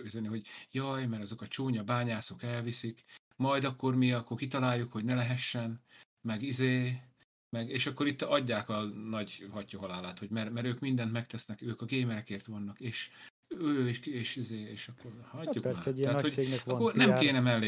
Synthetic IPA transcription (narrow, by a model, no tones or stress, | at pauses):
izɛniɦo̞ɟjɒjmɛɾɒzo̞kɒt͡ʃoːɲɒbaːɲaːsokɛlvisik | mɒjd̪ɒkːo̞rmiɒkːorkit̪ɒlaːjːukho̞ɟnɛlɛɦɛʃːɛn | mɛɡizeː | mɛɡeːʃɒkːo̞ɾit̪ːɒɟːaːkɒnɒɟhɒcːɒɦɒlaːlaːt̪ho̞ɟmɛrmɛɾøːkmind̪ɛnt̪mɛk̚t̪ɛsnɛkøːkɒɡeːmɛɾɛkeːrt̪ʋɒnːɒkeːʃ | øːiʃeːʃizeːeːʃɒkːorhɒɟːuaaːthoenɒkːornɛmkeːnɛmɛlːeː